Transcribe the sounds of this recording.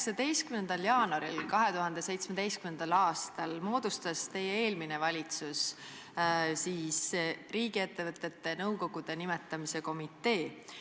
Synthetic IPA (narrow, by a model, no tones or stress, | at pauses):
ksɑd̪̥e̞jst̪kymne̞nd̪ɑljɑːnɑɾḭlkɑɦe̞t̪uɦɑnd̪e̞se̞jt̪smed̪̥e̞jst̪kymnend̪̥ɑlɑːst̪ɑlmo̞ːd̪̥ust̪ɑst̪e̞jːeeːlmine̞vɑlʲit̪sus | siːsriːɡie̞t̪ːe̞vɤt̪ːˑe̞t̪ːe̞nɤwko̞ɡ̥ud̪̥e̞nimet̪ːˑɑmise̞ko̞mit̪ːˑe̞ː